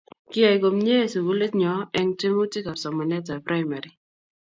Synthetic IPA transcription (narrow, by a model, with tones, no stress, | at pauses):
kɪ˦a˨i˨ɡo˨mɲe˦˨su˨ɡu˦le˦tɲɔ˨ɛ˦ŋte˦mo˦tɪ˦ka˨sɔ˨mɔ˨nɛ˦ta˨pɾa˦jma˨ɾi˨